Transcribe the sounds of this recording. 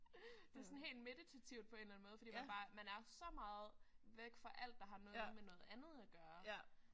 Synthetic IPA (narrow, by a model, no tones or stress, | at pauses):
d̥e̝sɔ̽n̩ɦe̝̰ːld̥me̝d̥it͡sʰæt͡sʰiʊd̥̚pʰɒ̽e̝ːnlæn̩mɔ̽ːðˠfd̥ḭːmænb̥ɑ̈ːmænæɐsɒ̽mɑ̈ːð̩ˠʋeɡ̥fɒʔæl̰d̥ːɑ̈ɦɑ̈nɔ̽ːðˠmenɔ̽ːð̩ˠænð̞̩ˠæɡ̥ɶːɐ